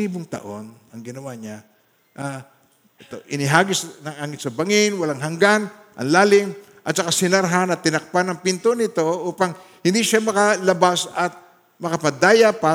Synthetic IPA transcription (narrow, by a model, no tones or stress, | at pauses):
iːbʊŋt̪ɐ̰ʔo̞n | ɐŋɡɪnɐwaɲa | ʔa | ʔɛt̪o̞ʔɪnɪɦaːɡɪsnɐŋaŋɪnsɐbaŋɪnwɐlaŋɦɐŋɡan | ʔɐ̰ŋlaːlɪŋ | ʔɐt̪̚sɐkasɪnɐɾɦanɐt̪ːɪnɐk̚panɐŋpɪnt̪onɪt̪o̞ʔuːpaŋ | hɪnd̪iʃamɐkɐlɐbasɐt̪̚ | mɐkɐpɐd̪aːjapa